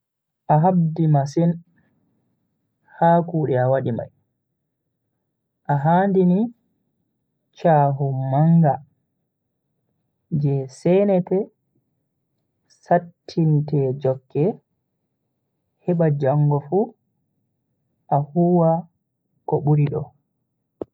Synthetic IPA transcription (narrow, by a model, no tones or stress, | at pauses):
ʔaɦabdimasin | haːkuːɗɛawaɗima̰j | ʔaɦaːndini | t͡ʃaːɦumaŋɡa | d͡ʒɛsɛnɛtɛ | satʰːintɛd͡ʒɔkːɛ | hɛɓad͡ʒaŋɡɔfu | ʔahuːwa | kɔɓuɾiɗɔ̰